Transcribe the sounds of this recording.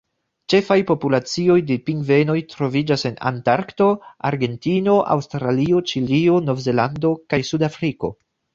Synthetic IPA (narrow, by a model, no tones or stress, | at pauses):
t͡ʃe̞fajpo̞pulat͡sio̞jdepiŋɡve̞no̞jtɾo̞vid͡ʒase̞na̰ntaɾkto̞a̰ɾɡe̞ntino̞ʔa̰wstɾalio̞t͡ʃilio̞no̞vze̞lando̞kajsudafɾiko̞̰